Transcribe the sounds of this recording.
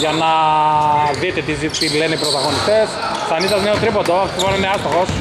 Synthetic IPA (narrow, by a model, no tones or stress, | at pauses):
ʝɐnɐ | ðit̪et̪izit̪ileneipɾot̪ɐɣo̞nist̪es | sɐnisɐzneost̪ɾipod̪oɐft̪imonɐineɐst̪oxos